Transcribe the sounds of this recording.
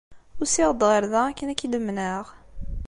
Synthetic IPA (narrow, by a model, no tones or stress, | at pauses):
ʊɾsiʁəd̪ʁəɾðæækːənækːid̪əmːnəʁ